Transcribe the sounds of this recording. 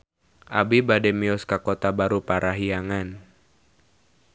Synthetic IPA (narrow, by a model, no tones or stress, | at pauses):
ʔa̰bibadɛmiɔskakɔt̪abaɾupaɾʔaɦiaŋan